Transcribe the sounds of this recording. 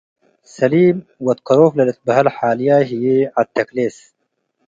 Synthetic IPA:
saliːmwɪt̪qːɑɾuːflɪlɪt̪̚baɦalħaːlɪjaɦɪjiat̪ːakleːs

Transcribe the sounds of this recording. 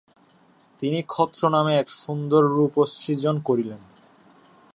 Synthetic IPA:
t̪inikʰɔt̪ːɾonameɛkʃund̪oɾːupost͡ɕid͡ʑonkoɾilen

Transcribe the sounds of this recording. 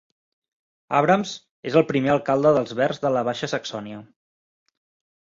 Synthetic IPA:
aβɾəmz | ezəlˠpɾimeəlˠkalˠd̪əðəlˠzβɛrzðələβ̞aʃəsəksɔniə

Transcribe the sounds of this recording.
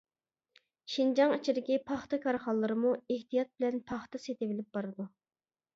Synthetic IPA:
ʃind͡ʒɑŋit͡ʃʰiɾɪkʲipʰɑχt̪ɨkʰɑɾχɑlˠːɨɾɨmueht̪ijɑt̪̚bɪlɛnpʰɑχt̪ɑset̪ɪvɪlɪp̚bɑɾɨd̪u

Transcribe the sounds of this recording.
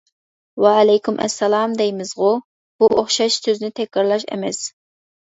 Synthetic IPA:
wɛlɛjkʰʲymʔɛ̰sːɛlˠɑːmd̪ɛjmɨzʁʊ | b̥uʔoχʃɑʃsøznɪt̪ʰɛkʲːɑɾlˠɑʃɛ̰mɛs

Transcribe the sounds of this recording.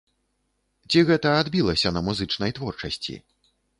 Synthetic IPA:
t͡sʲiɣɛt̪ɐad̪bʲilˠɐsʲɐnɐmuzɨt͡ʂnɐjt̪vɔrt͡ʂɐsʲt͡sʲḭ

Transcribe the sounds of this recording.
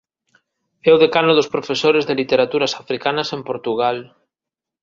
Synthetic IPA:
eoðekanoðospɾofesoɾezðelit̪eɾat̪uɾasafɾikanasempoɾt̪uɣ̞al

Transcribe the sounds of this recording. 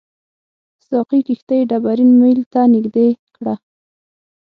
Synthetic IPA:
sɑqikixt̪əjɖabaɾinməjlt̪anɪɡd̪ekɽa

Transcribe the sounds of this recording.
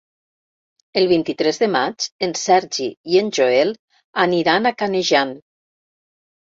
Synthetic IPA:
elˠβint̪it̪ɾezðemat͡ʃensɛɾʒiienʲʒoel | aniɾanakaneʒan

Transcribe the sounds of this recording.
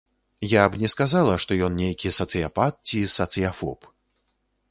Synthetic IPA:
jabnʲɛskazalˠɐʂt̪ɔjɔnnʲejkʲisɐt̪sɨjapat̪̚t͡sʲisɐt̪sɨjafɔ̰p

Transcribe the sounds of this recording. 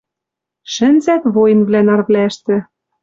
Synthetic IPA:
ʃɘ̆nzæk̪βoj̆nβlænɑrβlæʃt̪ɘ̆

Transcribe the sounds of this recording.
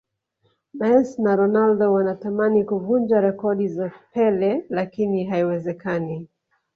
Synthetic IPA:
mɛsnaɾɔnaldɔwanatamanikuvund͡ʒaɾɛkɔɗizapɛlɛlakiniɦaiwɛzɛkani

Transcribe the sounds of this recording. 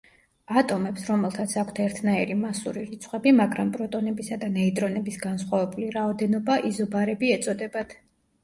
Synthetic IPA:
at̪ʼɔmɛpsɾɔmɛlˠt̪ʰat̪sʰakʷʰt̪ʰɛɾt̪ʰnaiɾimasuɾiɾit̪sʰχʼwɛbimaɡɾampʼɾɔt̪ʼɔnɛbisad̪anɛit̪ʼɾɔnɛbisɡansχwavɛbuliɾaɔd̪ɛnɔbaʔizɔbaɾɛbiɛt̪sʼɔd̪ɛbat̪ʰ

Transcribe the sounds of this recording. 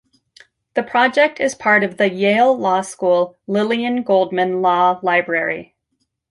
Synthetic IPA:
ðɨpʰɹ̥ɑd͡ʒɛk̚tɨz̥pʰɑɹɾʌvðɨjeɪlˠlɔskulˠ | lɪlˠiɨ̃nɡoʊlˠd̚mɨ̃nlɔlaɪbɹɛɹḭ

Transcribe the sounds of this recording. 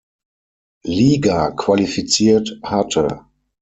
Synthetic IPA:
liːɡakv̥alifit͡siːɐthatʰə̰

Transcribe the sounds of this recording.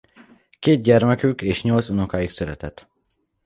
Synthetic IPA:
keːd̪̚ɟɛrmɛkykeːʃɲo̞lt̪sunokaːiksøɾɛt̪ɛt̪

